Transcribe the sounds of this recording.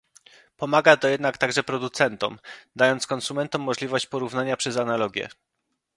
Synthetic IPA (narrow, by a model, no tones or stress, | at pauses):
pɔmaɡat̪ɔjɛd̪nakt̪aɡʐɛpɾɔd̪ut̪sɛnt̪ɔ̰md̪ajɔnt̪skɔnsumɛnt̪ɔmːɔʐlʲivɔɕt͡ɕpɔɾuvnaɲapʂɛzanalɔɡʲjɛ̰